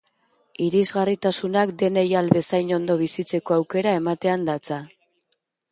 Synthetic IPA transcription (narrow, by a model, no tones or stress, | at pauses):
iɾizɣarit̪asunakd̪e̞ne̞jalβe̞sajno̞nd̪o̞β̞isit͡se̞ko̞awke̞ɾae̞mat̪e̞and̪at͡sa